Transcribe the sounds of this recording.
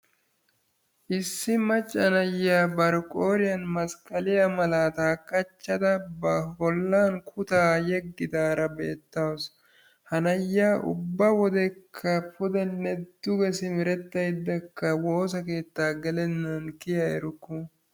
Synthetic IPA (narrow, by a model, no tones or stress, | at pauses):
ʔɪsːɪmɐt͡ʃʼːɐnɐjːaːbɐɾɔkʼoːɾɪjɐnmɐskʼɐlɪjɐmɐlaːt̪aːkːɐt͡ʃːɐd̪ɐbɐhɔlːaːnkʰʊt̪aːjɛɡːɪd̪aːɾɐbeːt̪ːɐws | hɐnɐjːaːʔʊ̰bːɐwɔd̪ɛkʰːɐpʊd̪ɛnːɛd̪̥ʊɡɛsɪmɪɾɛt̪ːɐjd̪ːɐkːɐwo̞ːs̬ɐke̞ːt̪ːaːɡɛlɛnːɐnkɪjɐɛɾʊkːʊ